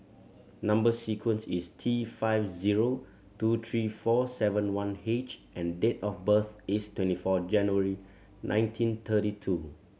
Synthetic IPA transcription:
nãmbəsikʰwə̃nsistʰifaɪfziɹo | tut̪ʰɹifɔsɛvə̃nwãnet͡ʃʔɛ̃ndetɔfbəθɪstʰwɛ̃ntifɔd͡ʒɛ̃njuəɹi | nʔã̰ɪ̃ntʰĩnt̪ʰəɾitʰu

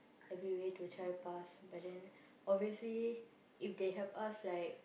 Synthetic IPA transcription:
ɛvɾiwetut͡ʃʰaɪpasbʌt̚dɛ̃n | ɔbiəsli | ɪfd̪eɦɛvʌslaɪk̚

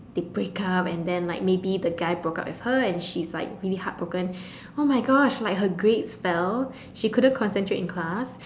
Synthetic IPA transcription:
d̥ebɹekʌpɛ̃ndɛ̃nlaɪk̚mebidəɡaɪbɹoka̰ʊtwɪfhəɛ̃nʃislaɪk̚ɹilihat̚b̥ɹokə̃n | omaɪɡɔʃlaɪk̚ɦəɡɹetspɛl | ʃikʰʊdə̃nkʰɔ̃nsɛ̃ntʰɹetɪ̃nkʰl̥as

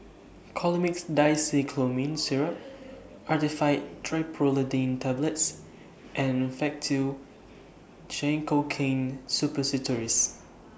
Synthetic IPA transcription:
kʰɔlmiksdajsikʰlomĩnsiɹəp̚ | ʔatifajttʰɹaɪpʰɹolədẽntʰabləts | ʔɛ̃nfɛk̚tʰiw | d͡ʒɛ̃ŋkokʰẽnsupəsitʰɔɹis

